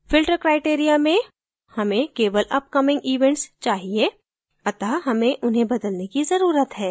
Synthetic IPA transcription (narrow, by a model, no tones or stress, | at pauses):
fɪlʈɾəkɾaːɪʈeːɾijamẽ | hɐmẽkeːʋəlʔɐp̚kɐmɪ̃ŋɡiːʋɛ̃ɳʈst͡ʃaːɦie | ɐt̪aːɦɐmẽʔʊnɦẽbɐd̪əlnekizɐɾuːɾət̪ɦɛː